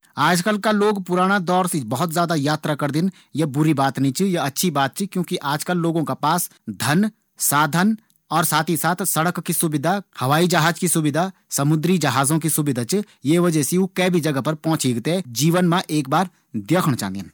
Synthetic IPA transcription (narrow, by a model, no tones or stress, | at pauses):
aːd͡ʒkəlkaloːɡpʊɾaːɽ̃ad̪ɔːɾsebɐɦʊt̪zjaːd̪ajaːt̪ɾakɐɾd̪ɪn | jɐbʊɾibaːt̪nit͡ʃʰijɐɐtːʃʰibaːt̪̚t͡ʃʰikjõːkiʔaːd͡ʒkəlːoːɡõkapaːs | d̪ʱɐn | saːd̪ʱən | ɔːɾsaːt̪ʰisaːt̪ʰsɐɽəkːisʊbɪd̪ʱahɐʋaːid͡ʒɐɦaːd͡ʒkisʊbɪd̪ʱasɐmʊd̪ɾid͡ʒɐɦaːzõk̬isʊbɪd̪ʱat͡ʃ | jeʋɐd͡ʒɛseukɛːbʱid͡ʒɐɡəpɐɾpɔ̃ːt͡ʃiɡt̪ed͡ʒiːʋənmãʔeːk̚baːɾ | d̪eːkʰəɽ̃t͡ʃã̰ːd̪ɪ̰n